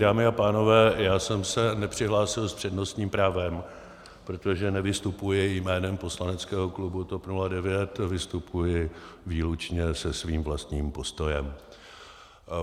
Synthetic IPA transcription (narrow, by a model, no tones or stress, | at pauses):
daːmɪapaːno̞vɛːjaːsɛmsɛnɛpr̝̥ɪɦlaːsɪlspr̝̥ɛdno̞st̪ɲiːmpɾaːvɛm | pɾo̞t̪o̞ʒɛnɛvɪst̪upujɪjmɛːnɛmpo̞slanɛt͡skɛːɦo̞klubut̪o̞pnuladɛvjɛt̪vɪst̪upʰujɪviːlut͡ʃɲɛsɛsviːmvlast̪ɲiːmpo̞st̪o̞jɛm